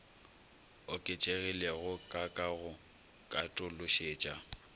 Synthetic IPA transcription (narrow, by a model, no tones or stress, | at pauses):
ʊkʼɪt͡ʃʼeɣileɣʊkʼakʼaɣʊ | kʼatʼʊlʊʃeːt͡ʃʼa